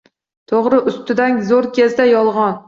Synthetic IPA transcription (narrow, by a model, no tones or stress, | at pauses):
t̪ʰoʁɾɪʔʊst̪ɪd̪aŋzoɾkʲʰezd̪ajɒlˠʁɒn